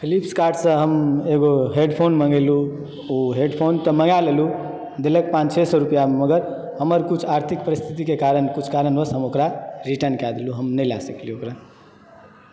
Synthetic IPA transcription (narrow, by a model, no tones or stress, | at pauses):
pʰilipskaɾɖsə̃ɦəmeɡoɦeɖpʰonməŋɡelu | oɦeɖpʰont̪əməŋɡalelu | d̪elek̚pãt͡ʃt͡ʃʰesəɾupjameməɡəɾ | ɦəməɾkut͡ʃʰaɾt̪ʰik̚pəɾist̪ʰit̪ikekaɾənkut͡ʃʰkaɾənbəsɦəmokɾaɾiʈənkad̪luɦəmnəla̰səkliokɾa